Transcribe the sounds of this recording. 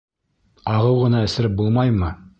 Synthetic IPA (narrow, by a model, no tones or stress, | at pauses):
ɑʁɤwʁɤ̆nɑɘ̆sɘ̆ɾɘp̚bulˠmɑjmɤ